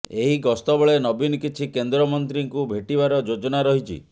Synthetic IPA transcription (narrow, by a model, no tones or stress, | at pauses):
eɦiɡɔst̪ɔbɔɭenɔbinkit͡ʃʰikend̪ɾɔmɔnt̪ɾiŋkubʱeʈibaɾɔd͡ʒod͡ʒɔnaɾɔɦit͡ʃʰḭ